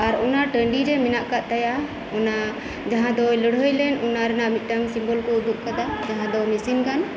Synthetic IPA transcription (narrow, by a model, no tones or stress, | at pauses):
aɾɔnaʈəɳɖiɾɛmɛnaʔkaʔt̪aja | ɔna | d͡ʒaɦãd̪ɔjləɽɦəjlɛnɔnaɾɛnaʔmit̪̚ʈamsimbɔlkɔud̪uʔ̚kad̪ad͡ʒaɦãd̪ɔmisinkan